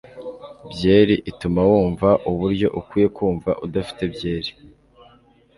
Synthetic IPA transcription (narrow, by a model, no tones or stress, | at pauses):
bje̞ːɾiʔitumawuːɱvaʔuβuɾɟo̞ʔukwiːje̞kwuːɱvaʔudafi̥te̞bɟe̞ːɾi